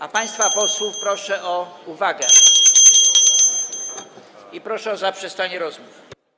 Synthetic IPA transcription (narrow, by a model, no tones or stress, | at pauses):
apaj̃st̪fapɔswufpɾɔʂɛʔɔuvaɡɛ | ipɾɔʂɛɔzapʂɛst̪aɲɛɾɔzmuf